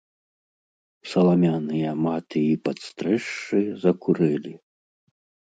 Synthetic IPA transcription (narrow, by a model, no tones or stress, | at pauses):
sɐlˠamʲanɨjɐmat̪ɨipɐt̪st̪ɾɛʂːɨzɐkuɾɛlʲi